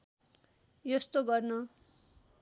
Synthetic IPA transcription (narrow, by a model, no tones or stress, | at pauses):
jʌst̪oɡʌrnʌ